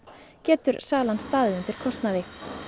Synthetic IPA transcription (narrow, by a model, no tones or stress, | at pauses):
cɛːt̪ʏɾsaːlanst̪aːðɪʏnt̪ɪɾ̥kʰɔst̪naðɪ